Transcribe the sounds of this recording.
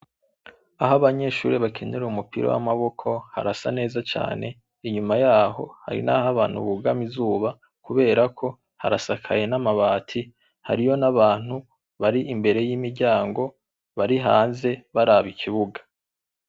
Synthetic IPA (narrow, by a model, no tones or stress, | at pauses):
aɦoβaɲe̞ʃṵːɾeβakʰe̞ne̞ɾuumupḭɾo̰wa̰maβo̞kʰo̞ha̰ɾasa̰ne̞ːzat͡ʃa̰ːne̞ | iɲumajaːho̞̰ha̰ɾḭnahaβaːn̥hṵβuɡamizuːβa | kuβe̞ːɾakʰo̞ | ha̰ɾasakʰa̰je̞namaβaːtʰi | ha̰ɾijo̞naβaːn̥hu | βaɾiʔimbe̞ɾe̞jiːmiɾɟaːŋɡo̞ | βaɾiɦaːnze̞βaɾaβikʰiβuɡḁ